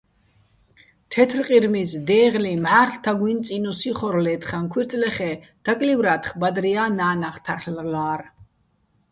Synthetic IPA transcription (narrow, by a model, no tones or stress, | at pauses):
t̪ʰɛt̪ʰɾqʼiɾmisd̪ɛːʁlimħaːɾɬt̪ʰaɡwint̪sʼinusiχɔɾlɛːt̪χankʰwiɾt̪ʼlɛχɛd̪̥akʼlivɾat̪χbad̪ɾiaːnaːnaχt̪ʰarllaːɾ